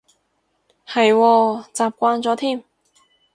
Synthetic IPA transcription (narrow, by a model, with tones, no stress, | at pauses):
hɐ˨jwɔː˧t͡saː˨p̚kʷwaː˧nt͡sɔː˨˧˥t̪ʰiː˥˩m